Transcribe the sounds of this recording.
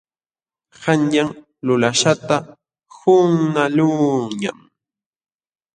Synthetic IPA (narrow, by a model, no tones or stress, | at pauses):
hanjaŋ | lʊlaʃat̪a | hʊŋnalʊɲa̰m